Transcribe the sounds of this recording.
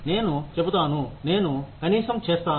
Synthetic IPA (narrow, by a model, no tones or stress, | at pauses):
ne̞ːnut͡ʃebut̪aːnune̞ːnukɐniːsɐmt͡ʃeːst̪aː